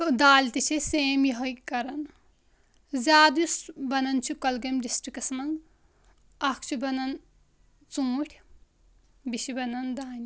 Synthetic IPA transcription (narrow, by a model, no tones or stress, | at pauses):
d̪aːlʲt̪it͡ʃʰiseːmjiɦojkɐɾɐn | zʲaːd̪jusbɐnɐnt͡ʃʰukɐlɡɐmɖisʈɾikɐsmɐŋɡ | ɐkʰt͡ʃʰubɐnɐn | t͡sũːʈʲʰ | biʃibɐnɐnd̪aːni